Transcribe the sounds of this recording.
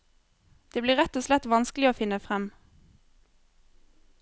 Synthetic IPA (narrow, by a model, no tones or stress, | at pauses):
d̪̥eːbliːʁɛt̪oːslɛt̪ʋɑnsklɪoːfɪnːəfʁɛm